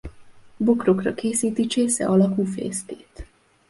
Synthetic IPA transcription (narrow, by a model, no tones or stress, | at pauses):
bokro̞krɒkeːsiːt̪it͡ʃeːsɛ̰ʔɒlɒkuːfḛːst̪eːt̪